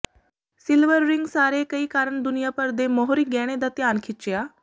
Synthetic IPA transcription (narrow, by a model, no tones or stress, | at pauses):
sɪlʋəɾːɪŋɡsaːɾekəiːkaːɾəɳ̃d̪ʊnijapəɾd̪emɔɦɾiɡɛːɽ̃ed̪at̪jaːnkʰɪt͡ʃjaː